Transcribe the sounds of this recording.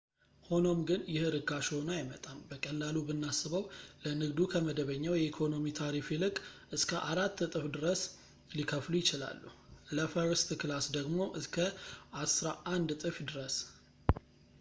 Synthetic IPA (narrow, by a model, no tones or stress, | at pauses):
ho̞no̞mɡɨnjɪhɾɨɡaʃo̞najɪmət̪ʼambəkʼəlːalubɨnːasɨβəwlənɨɡd̪ukʰəməd̪əβəɲːawjɛikʰo̞no̞mit̪ʰaɾifilɨkʼʔɨskʰəʔaɾat̪ːt̪ʼɨfd̪ɨɾəs | likʰəflujɪt͡ʃɪla̰lːuləfaɾəst̪klasd̪əɡmo̞ʔɨskʰəʔasɾaʔand̪t̪ʼɨfd̪ɨɾəs